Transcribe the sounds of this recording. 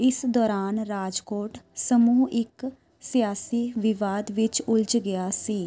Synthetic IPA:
ɪsd̪ɔːɾaːnɾaːd͡ʒkoːʈsəmuːɪk | sijaːsiːʋɪʋaːd̪ʋɪt͡ʃʊlt͡ʃɡɪjaːsiː

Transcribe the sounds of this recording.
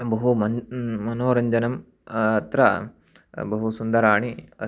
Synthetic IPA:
bɐɦumɐmɐnoːɾɐɲd͡ʒɐnɐm | ɐt̪ɾɐ | bɐɦusund̪ɐɾaːɳiɐ

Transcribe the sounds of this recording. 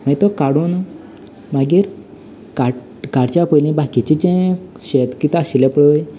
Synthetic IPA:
məit̪ɔkaɽuːn | maɡiːɾ | ka | kaɽt͡ɕjapəjlĩbakit͡ɕit͡ɕẽɕet̪kit̪asilepɭəj

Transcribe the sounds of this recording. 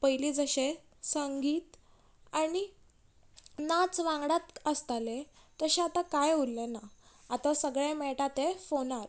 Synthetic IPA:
pəjlid͡zəɕe | səŋɡiːt̪ | aɽi | nat͡sʋãŋɡɽat̪əst̪alet̪əɕẽat̪akajullenaat̪asəɡɭemeɭʈat̪efonaɾ

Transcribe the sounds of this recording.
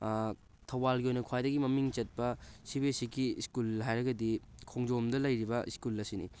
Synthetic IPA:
tʰɐwbalɡiojnɐkʰwajdɐɡimɐmiŋt͡ʃɐt̚pɐsibesiɡiskulɦajɾɐɡɐdikʰoŋd͡ʒomdɐlɐjɾibɐʔiskulɐsinḭ

